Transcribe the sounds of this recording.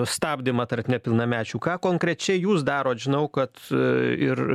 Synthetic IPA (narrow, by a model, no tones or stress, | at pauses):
st̪ɑːbʲd̪ʲɪmɐt̪ɐrtnʲɛpʲɪlˠnɐmʲæːt͡ʃʲuːkɑːkoːŋkɾʲɛt͡ʃʲɛɪjuːsd̪ɑːɾoːt̪ʒʲɪnɐʊkɐt̪ɪr